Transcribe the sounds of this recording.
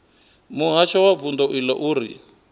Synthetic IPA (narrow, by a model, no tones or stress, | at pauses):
muɦaʃɔwavund̪ɔʔilɛʔuːɾḭ